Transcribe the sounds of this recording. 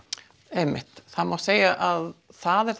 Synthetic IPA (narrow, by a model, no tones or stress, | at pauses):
emɪ̰ht̪θaðmawseːjaʔaðθaðɛɾ̥θ